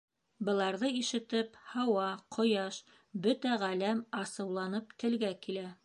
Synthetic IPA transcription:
bɤ̆lˠɑɾðɤiʃɘ̆t̪ɘphɑwɑqʰŏjɑʃ | bɵt̪æʁælæmɑsɤ̆wlˠɑnɤp̚t̪ɘ̆lɡækilæ

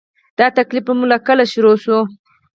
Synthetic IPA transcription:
d̪̥ɑt̪aklif̚bəmulakəlaʃʊɾoʃo

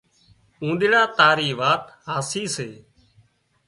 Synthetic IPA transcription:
ũːɗ̪ɪɽaːt̪aːɾiːʋaːt̪ | ɦaːsiːseː

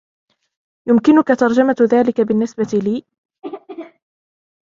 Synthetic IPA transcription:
jʊmkɪnʊkat̪ɑɾˤd͡ʒamaðaːlɪkabɪnːɪsbat̪iliː

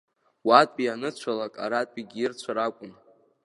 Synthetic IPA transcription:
watʼpʼianɨt͡ɕʷʰalakʼa̰ɾatʼpʼiɡʲirt͡ɕʷʰaɾakʷʼʊn

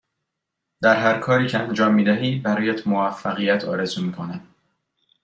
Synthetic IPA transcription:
d̪æɾɦæɾkʰɒːɾiːcʰeænd͡ʒɒːmːiːd̪æɦiːbæɾɒːjæt̪ʰmovæfːæɣijæt̪ʰɒːɾezumiːkʰo̞næd̪̥

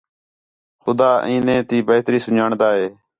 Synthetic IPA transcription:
xʊd̪aːʔĩːnẽːt̪iːbeːt̪ɾiːsʊɲaːɳd̪aːɦeː

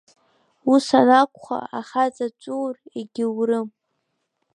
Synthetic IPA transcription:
usanakʷʰʼχa̰aχat͡sʼat͡ʃʷʼuːreɡʲɪwrɨm

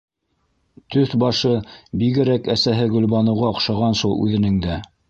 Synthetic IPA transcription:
t̪ɵθbɑʃɤbiɡɘ̆ɾækæsæɦɘɡɵ̆lβɑnɤ̆wʁɑŏqʃɑʁɑnʃulˠʉ̰ðɘ̆nɘŋd̪æ

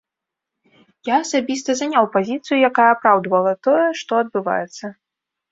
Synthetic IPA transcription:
jaːsabʲist̪ɐzanʲawpazʲit̪sɨjujakajɛapɾawd̪vɐlˠɐt̪ɔjɛʂt̪ɔɐd̪̚bɨva̰jɛt̪sːɐ

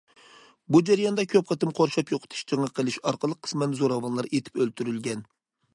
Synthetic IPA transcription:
bud͡ʒæɾijɑnd̪ɑkʲʰøp̚qʰɑt̪ɨmqʰoɾʃɑpjoqʰə̥t̪ʰu̥ʃt͡ʃʰəŋɑqʰəlˠɨʃɑɾqəlˠəqʰːə̥smɛnzoɾɑvɑnlˠɑɾet̪ʰɪ̥pølt̪ʰyɾylɡʲɛn

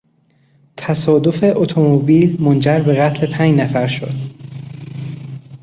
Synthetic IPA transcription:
t̪ʰæsɒːd̪o̞fe̞ʔot̪ʰo̞mobiːlmond͡ʒæɾbe̞ɣæt̪ʰle̞pʰænd͡ʒnæfæɾʃo̰d̪̥

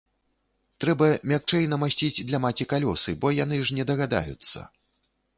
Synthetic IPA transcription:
t̪ɾɛbɐmʲak̚t͡ʂɛjnɐmasʲt͡sʲid͡zʲd̪lʲɐmat͡sʲikalʲɔsɨbɔjan̪ɨʐnʲɛd̪ɐɣad̪a̰jṵt̪sːɐ̰

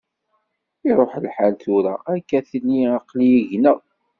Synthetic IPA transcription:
ɪɾˤoħlħalθuɾæ̰ækːæθənːiɑqlijiʝnə

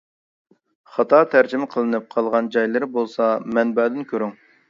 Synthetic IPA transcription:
χɑt̪ʰɑt̪ʰæɾd͡ʒimɪqʰəlˠɨnɨp̚qʰɑlˠʁɑnd͡ʒɑjlˠɨɾɪbolˠsɑmɛnbæːd̪ɪnkʲʰøɾyŋ

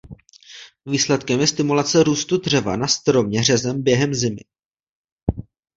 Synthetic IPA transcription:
viːslɛt̪kɛmjɛst̪ɪmulat͡sɛɾuːst̪ud̪r̝ɛva̰nast̪ɾo̞mɲɛr̝ɛzɛmbjɛɦɛmzɪmɪ̰

